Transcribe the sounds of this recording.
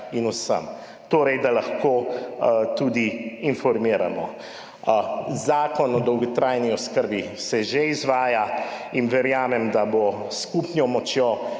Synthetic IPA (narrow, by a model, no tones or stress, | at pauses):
inusə̰m | t̪oːɾɛjd̪alaxkoː | t̪ud̪iːnfɔɾmiːɾa̰mɔ̰ | zaːkɔnɔd̪ɔwɡɔt̪ɾaːjniɔskəɾbisɛʒeizʋaːjainʋɛɾjaːmɛmd̪aboskupnjɔmɔt͡ʃjo